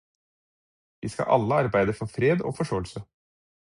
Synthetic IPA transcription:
ʋḭːskɑ̰ʔɑ̰lːəɑɾbæɪd̪əfɔɾfɾeːd̪o̰ːfɔʂʈoːlsə

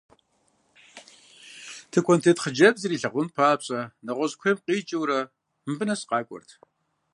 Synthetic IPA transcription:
tʰɨkʷʰɔntʰetχəd͡ʒɐpzɐriːɮɐʁʷʊmpʰaːpɕʼɐnɐʁʷɔzkʷʰɐmqiːt͡ʃʼɐwrɐ | mbɨnɐsqɑːkʷʼɔ̰rtʰ

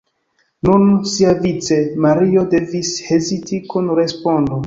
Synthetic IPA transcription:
nunsiavit͡se̞maɾiode̞vishezitʰikunɾe̞spo̞ndo

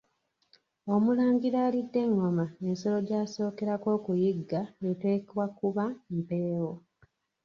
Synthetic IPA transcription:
o̞mulaːɲɟiɾaːlidːe̞ŋːomaenso̞lo̞ɟaːso̞ːke̞ɾako̞ːkujiɡːaete̞ːkwakuβampe̞ːwo

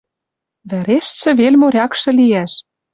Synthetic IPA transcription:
βɘ̆ɾeʃsɘ̆βelʲmoɾʲɑkʃɤ̆lijæʃ

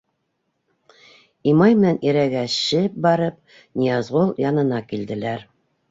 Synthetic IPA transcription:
imɑjmɘ̆næniɾæɡæɕɘp̚bɑɾɤp̚ | nʲijɑzʁolˠjɑnɤ̆nɑkild̪ɘ̆læɾ

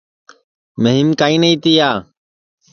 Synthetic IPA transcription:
məɦɪmkaːĩːnəĩːt̪iːaː

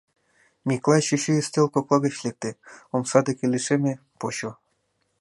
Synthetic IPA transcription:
mʲiklˠɑjɕuɕujesʲt̪ʲelˠkoklˠɑɣɤt͡ɕlʲek̚t̪ĕomsɑd̪ĕkʲelʲiʃemʲe | poɕo

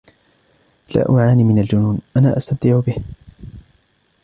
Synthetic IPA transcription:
la̰ːʔʊʕaːniːmɪnald͡ʒʊnuːnʔana̰ːʔast̪amt̪ɪʕʊbɪh

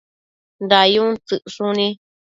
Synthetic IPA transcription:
nd̪ajũt͡sɨʔʂũnĩ

